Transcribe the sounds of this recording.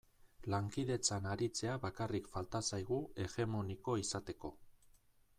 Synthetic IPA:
laŋkiðe̞t͡sanaɾit͡se̞aβakarikfalt̪asajɣ̞ue̞ɣe̞mo̞niko̞isat̪e̞ko̞

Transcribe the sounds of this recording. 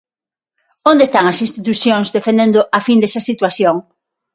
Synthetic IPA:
õnd̪est̪aŋɐsinst̪it̪uθjoŋzðefẽnd̪ẽnd̪ʊʔafind̪esɐsit̪waθjoŋ

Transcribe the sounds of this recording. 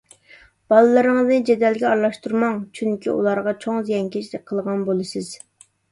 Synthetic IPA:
b̥ɑlˠɨlˠɨɾɨŋəznɨd͡ʒɛd̪ɛlɡʲɛɑɾlˠɑʃt̪uɾmɑŋt͡ʃʰyŋkʲʰḭʔṵlˠɑɾʁɑt͡ʃʰoŋzijɛŋkʲet͡ʃʰlɪk̚ʲqʰəlˠʁɑnbolˠɨsɨz̥

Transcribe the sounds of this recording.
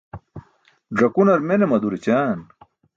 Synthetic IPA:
ɖɾɐkunɐɾmenemɐd̪uɾit͡ɕaːn

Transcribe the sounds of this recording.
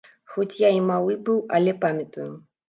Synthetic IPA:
xɔt͡sʲjaimalˠɨbɨwɐlʲɛpamʲɐt̪ujʊ

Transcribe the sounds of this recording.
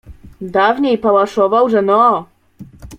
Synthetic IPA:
d̪avɲejpawaʂɔvawʐɛnɔ

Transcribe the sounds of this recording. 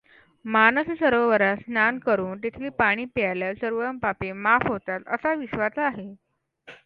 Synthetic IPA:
manəssəɾʋəʋəɾasnankəɾuːnt̪it̪ʰliːpaɽ̃iːpjaljasəɾʋəɾəmpapemafɦot̪at̪ə̰saʋiɕʋat͡saɦe

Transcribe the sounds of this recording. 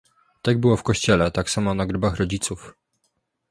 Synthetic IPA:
t̪aɡ̚bɘwɔfkɔɕt͡ɕɛlɛt̪aksamɔnaɡɾɘbaxɾɔd͡ʑit̪suf

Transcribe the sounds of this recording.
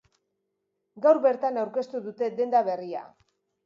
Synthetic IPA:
ɡawɾβe̞ɾt̪anawɾke̞st̪uðut̪e̞d̪e̞nd̪aβe̞ria̰

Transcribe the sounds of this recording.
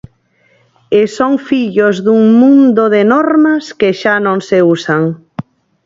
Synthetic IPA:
esoŋfiʎozðuŋmũnd̪oðenɔɾmaskeʃanõŋseusaŋ

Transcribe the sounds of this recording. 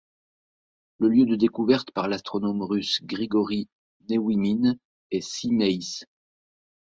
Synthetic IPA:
ləljød̪əd̪ekuvɛʁt̪paʁlast̪χɔnɔmʁysɡʁiɡɔʁi | newimin | ɛsinɛjs

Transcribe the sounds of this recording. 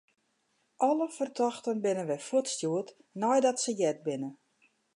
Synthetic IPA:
ʔɔləfərtʰɔxtənbɪnənʋɛjfuətstjuət | nɔjdɔtsəjɛt̚bɪnə

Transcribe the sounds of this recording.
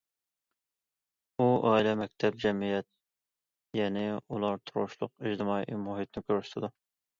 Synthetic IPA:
uʔɑːilɛmɛk̚ʲt̪ʰɛb̚d͡ʒɛmijɛt̪̚ | jɛnɪulˠɑɾt̪ʰʊɾʁʊ̰ʃlˠʊ̰qiʒd̪ɨmɑiʔmuɦit̪̚nɪkʲøɾyʃt̪ʰɪd̪u

